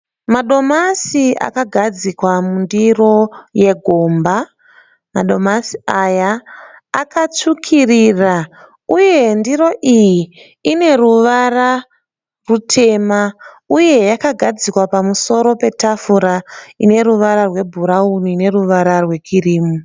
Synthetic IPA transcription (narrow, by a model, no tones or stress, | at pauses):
maɗo̞masiʔa̰kaɡʱad͡zikwamundiro̞je̞ɡʱo̞mba | ma̰ɗo̞masi̥ajaː | kat͡ʂukʰirira | uje̞ndiɾo̞ʔijiː | ne̞ruʋara | rutʰe̞ma | uje̞jakaɡʱad͡zikwapamuso̞ɾo̞pe̞tafuɾaine̞ɾuʋaɾarwe̞bʱuɾaunine̞ruʋaɾarwe̞kʰiriːmu